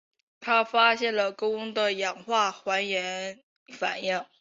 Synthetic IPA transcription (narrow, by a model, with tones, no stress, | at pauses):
t̪ʰa˥fa˥ɕjɛ˥˩nlə˩ko˥ʊʊ˥ŋd̪ə˨jɑ˨˩ŋxwa˥˩xwa˧˥njɛ˧˥n | fa̰˨˩njɪ˥˩ŋ